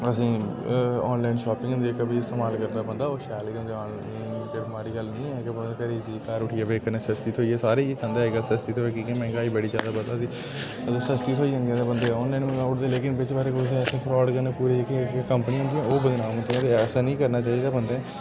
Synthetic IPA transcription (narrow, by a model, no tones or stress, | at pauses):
əsĩː | ɔːnlaːinʃɔːpɪ̃ŋʊ̃nd̪ieːkːbiɪst̪eːmaːlkəɾd̪aːbə̃nd̪aːoːʃaːlkə̃nd̪eaː | pɪɾmaːɾiːɡəlnə̃ĩːɛ̃ːkebəkəɾeːd͡ʒiːk̪aːɾʊʈʰijaːbeːkənẽːsəst̪iːt̪ʰoːiːɛːsaːɾeːit͡ʃãːnd̪aːeɡəlsəst̪iːt̪ʰoːɛːkikemɛ̃ːɡaːiːbəɽiːd͡ʒja̰ːd̪aːbət̪aːsĩ | əd̪esəst̪iːt̪ʰoːiːɦə̃nd̪iɛ̃ːd̪eːbənd̪eɔːnlainmẽɡaːʊʈd̪eːleːkɪnbɪt͡ʃbaːɾeːkos̬ĩːɛːsẽːpʰɾɔːɖkəneːpuːɾikkəmpəniːɦõnd̪iːɛ̃ːoːbəd̪nãːnd̪iːɛ̃ːt̪eɛːsãːnĩːkəɾnaːt͡ʃaːiːd̪aːbənd̪eɛ̃ː